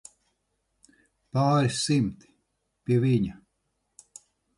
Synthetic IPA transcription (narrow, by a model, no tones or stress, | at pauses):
paːɾʲssimt̪i̥ | pʲiviɲʲa